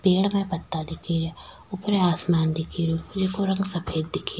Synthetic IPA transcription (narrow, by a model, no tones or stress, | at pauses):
peːlmɛ̃ːpət̪ːaːd̪ɪkʰiɾa | ʊpəɾeaːsmaːnd̪ikʰiɾud͡ʒekoɾə̃ŋɡsəpʰeːd̪̚ːɪkʰːi